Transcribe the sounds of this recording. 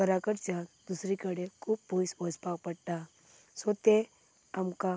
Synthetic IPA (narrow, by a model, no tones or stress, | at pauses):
kəɾakəɾt͡ɕad̪usɾikəɽekʰuːp̚bʱojsʋɔspakpəɽt̪a | sɔt̪e | amka